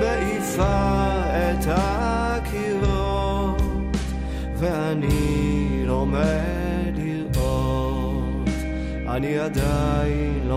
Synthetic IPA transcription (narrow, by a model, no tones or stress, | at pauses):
bɛi | sa | ɛt̪ʰa | kʰilo | vɛani | ɾɔmɛ | di | ɔ | t | aniad̪ai | lɔ